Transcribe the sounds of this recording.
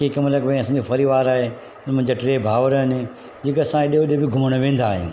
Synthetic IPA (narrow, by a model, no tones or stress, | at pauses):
kekɐmlɐɡbəĩɐsãːɲd͡ʑofɐɾiːʋaːɾaːɦe | ʊnmʊ̃ɪ̃ɲd͡ʑaʈɾeːbʱaːʋəɾɦɐnɪ | d͡ʑɪkɐsãɪɗijoɗiobɪɡʱʊməɽ̃oʋẽːn̆d̪aːɦijṵ̃ː